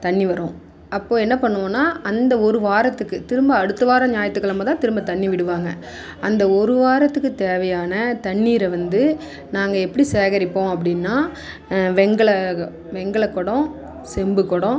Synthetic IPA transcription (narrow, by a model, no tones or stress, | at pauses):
t̪ɐɳːiʋɐɾõː | ɐpːoːɛnːɐpɐɳːɯʋõːnːaːʔɐnd̪ɐɔɾɯʋaːɾɐt̪ːɯkːɯt̪ɪɾɯmbɐɐɽɯt̪ːɯʋaːɾɐ̃ɲaːjɐt̪ːɯkːɐɭɐmɐːt̪ãːt̪ɪɾɯmbɐt̪ɐɳːiʋɪɽɯʋaːŋɡɐ | ɐnd̪ɐɔɾɯʋaːɾɐt̪ːɯkːɯt̪eːʋɐjaːnɐt̪ɐɳːiːɾɐʋɐnd̪ɯ | naːŋɡɐɛpːɐɽiseːɣɐɾɪpːõːɐp̬ːɐɽɪnːaː | ʋɛŋɡɐɭɐ | ʋɛŋɡɐɭɐkːɔɽõ | sɛmbɯkːɔɽõ